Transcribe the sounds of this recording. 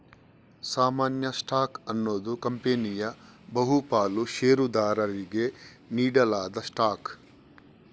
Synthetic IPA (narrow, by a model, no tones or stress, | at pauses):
saːmaːnjɐsʈaːkɐnːoːd̪ukɐmpenijɐ | bɐɦupaːluʃeːɾud̪aːɾɐɾiɡe̞ | niːɽɐlaːd̪ɐsʈaːk